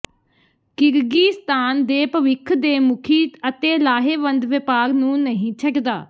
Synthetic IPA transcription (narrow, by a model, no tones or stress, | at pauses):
kɪɾɡiːst̪ʰaːnd̪eːpəʋɪkʰd̪eːmʊkʰiːt̪ət̪eːlaːɦeːʋənd̪ʋɪpaːɡnũːnəɦĩːt͡ʃʰəkd̪a̰ː